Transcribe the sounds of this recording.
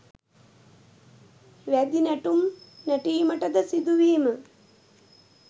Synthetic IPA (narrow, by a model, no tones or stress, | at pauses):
ʋæd̪inæʈumnæʈiːməʈəd̪əsid̪uʋiːmə